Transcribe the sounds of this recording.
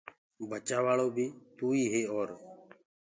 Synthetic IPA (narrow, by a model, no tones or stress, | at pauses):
bət͡ʃaːʋaːɭoːbʱiːt̪uːiːɦeːoːɾ